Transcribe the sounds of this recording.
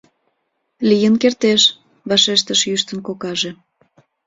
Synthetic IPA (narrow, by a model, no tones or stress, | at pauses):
lijənkert̪eʃ | βɑʃeʃt̪əʃjyʃt̪ənkokɑʒe